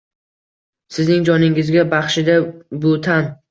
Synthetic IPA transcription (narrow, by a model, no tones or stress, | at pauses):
sɪznɪŋd͡ʒɒnɪŋɪzɡʲabɑχʃɪd̪abʊt̪ʰan